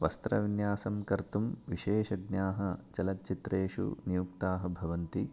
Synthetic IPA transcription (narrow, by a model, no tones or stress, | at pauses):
ʋɐst̪ɾɐʋinjaːsɐmkɐɾt̪umʋiʃeːʃɐɡnjaːɦɐt͡ʃɐlɐt̪̚t͡ʃit̪ɾeːʂṵnijuk̚t̪aːɦɐbʱɐʋɐnt̪i